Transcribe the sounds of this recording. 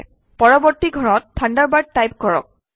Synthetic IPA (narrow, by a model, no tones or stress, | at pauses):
pɔɹɔbɔɹtiɡʱɔɹɔt̚tʰandaɹbad̚tːajp̚kɔɹɔ̰k̚